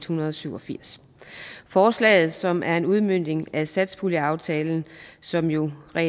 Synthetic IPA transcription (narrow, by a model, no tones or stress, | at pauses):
d̥hunɐðˠɒ̽syʊɒ̽fiɐ̰s | fɒːslɛ̰ːð̞̩ˠsɒ̽mʔæɐe̝nuð̞ˠmøn̰d̥e̝ŋæsæd̥spʰuləɑ̈ʊt͡sʰɛːln̩sɒ̽mjo̝ʁɛ̰